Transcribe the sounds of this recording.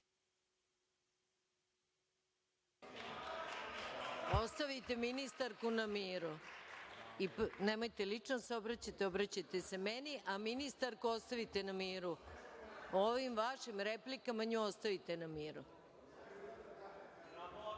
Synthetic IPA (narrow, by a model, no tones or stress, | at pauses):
ost̪aʋit̪e̞minist̪aɾkunamiːɾu | ipnemo̞jt̪elit͡ʂnosobɾat͡ɕat̪eobɾat͡ɕat̪e̞se̞me̞niʔaminist̪aɾkuo̞st̪aʋit̪e̞namiːɾu | oʋimʋaʃimɾe̞plikamaɲuost̪aʋit̪e̞namiːɾu